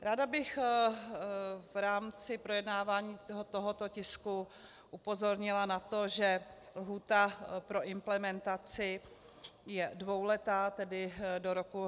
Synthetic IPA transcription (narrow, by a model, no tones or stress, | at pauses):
ɾaːdabɪx | vɾaːmt͡sɪpɾo̞jɛdnaːvaːɲiːɦot̪oɦot̪ocɪsku | ʔupo̞zo̞ɾɲɪlanat̪o̞ʒɛ | lɦuːt̪apɾo̞ʔɪmplɛmɛnt̪at͡sɪ | jɛdvo̞wlɛt̪aːt̪ɛdɪdoɾoku